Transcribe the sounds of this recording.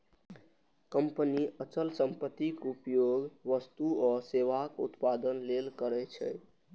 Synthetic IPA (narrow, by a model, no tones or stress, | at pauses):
kəmpəniət͡ʃəlsəmpət̪ikupjoɡʋəst̪uɔseʋakṵt̪pad̪ənlelkəɾɛt͡ʃʰɛ̰